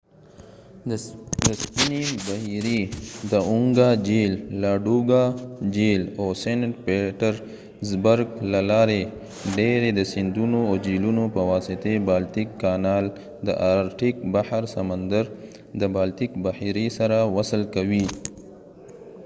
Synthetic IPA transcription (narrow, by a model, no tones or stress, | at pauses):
d̪əspinibahiɾid̪əʊŋɡad͡ʒelːaɖuɡad͡ʒelosenʈpeʈəɾ | zbəɾɡlalɑɾe | ɖeɾed̪əsɪnd̪unood͡ʒilunopəwɑsɪt̪ebɑlt̪ikːanɑːl | d̪ə̰ʔaɾʈik̚bahaɾsamənd̪əɾ | d̪əbaːlt̪ikbahiɾisaɾawasəlkawi